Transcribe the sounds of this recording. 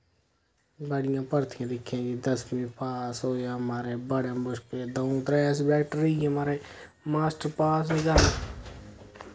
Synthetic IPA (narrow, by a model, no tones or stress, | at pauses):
bəɽɪjãːpəɾt̪ʰɪjãːd̪ɪkʰːjãːɡid̪əskɪmĩːpaːsɦoːeɦəmaːɾeːbəɽẽbəʃpeːd̪əut̪ɾɛːs̬bɛːkʈɾiːɦəmaːɾeː | maːsʈɾpaːsiːɡaɾ